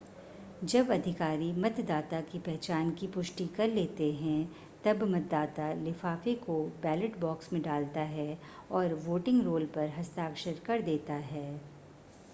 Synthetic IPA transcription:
d͡ʒɐbɐd̪ʱɪkaːɾimɐt̪d̪aːt̪akipɛɦt͡ʃaːnkipʊʃʈikɐɾleːt̪eɦɛ̃ | t̪ɐbmɐt̪̚d̪aːt̪alɪfaːkekobɛːləʈbɔːksmẽɖaːlt̪aɦɛ | ɔːɾʋoːʈɪ̃ŋɡɾoːlpɐɾɦɐst̪aːkʃəɾkɐɾd̪eːt̪aɦɛː

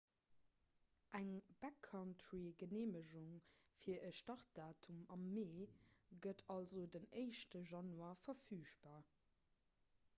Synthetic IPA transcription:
ʔæŋb̥ækʰːɑntʰɹiɡəneːməʑuŋfiːɐʔəʃtɑʁt̚d̥aːtʰumɑmːeːɡədʰɑlzodəneɪʃtəʒɑnuaːɐfɐfyːʃb̥aːɐ

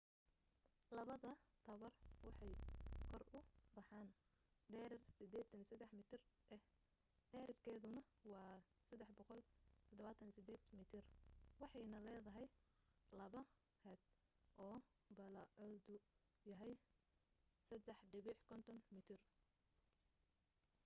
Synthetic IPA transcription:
lɐβɐðɐt̪ʰɐβɐrwɑħɑjkʰɔrʊbɑħɑːn | ɖɛːɾɐrsɪd̪ɛːt̪ʰɐnisɐd̪ɛħmɪːt̪ʰɪrʔɛ | ɖɛːɾɐrkʰɛːðʊnɐ | wɑː | sɐd̪ɛħbɔqɔlt̪ʰɔd̪ɔβaːt̪ʰɐnisɪd̪ɛːd̪mit̪ʰɪrwɑħɑjnɐlɛːðɐɦɛjlɐβɐ | hɛd̪ | ʔɔː | bɐlɐʕɔd̪ʊ | jɐɦɛj | sɐd̪ɛħɖɪβɪħkʰɔnt̪ʰɔnmɪt̪ʰɪr

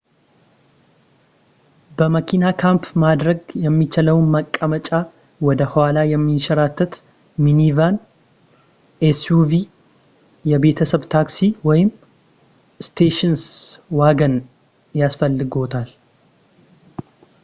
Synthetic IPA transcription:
bəməkʰinakʰampʰmad̪ɾəɡjɛmːit͡ʃɪləwnməkʼːəmət͡ʃʼa | wɔd̪əhwalajɛmːiʃɐɾat̪ʰːət̪ | minivan | ʔesuvi | jɛbe̞t̪ʰəsəβt̪ʰaksiwɔjɪm | st̪ʰeʃɪnswaɡən | jasfəlːɨɡo̞t̪ʰal

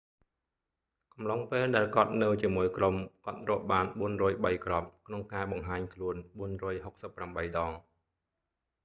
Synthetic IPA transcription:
kɑmlɑŋpeːlɗaɛlkŏət̪̚nɨwt͡ɕiəmuəjkromkŏət̪̚rŏəʔɓaːnɓuənrɔːjɓəjkrɑp̚kʰnoŋkaːɓɑŋɦaːɲkʰluənɓuənrɔːjhok̚səpːramɓəjɗɑːŋ

